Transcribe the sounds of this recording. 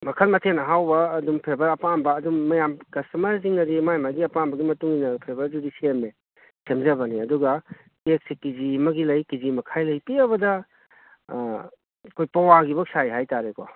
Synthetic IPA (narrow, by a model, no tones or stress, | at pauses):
mɐkʰɐlmɐtʰenɐɦawbɐːdumpʰebɐɾɐpambɐːdumːɐjamkɐstɐmɐɾz̬iŋnɐdimajmaɡiɐpanbɐɡimɐtuŋinɐpʰebɐɾd͡ʒudisieme | tʰemzɐbɐniɐduɡɐ | tek̚sikizimɐɡilɐjkizimɐkʰajlɐjpiɐbɐdɐ | kʰojpɐwaɡibɐk̚sajɦajtaɾekɔ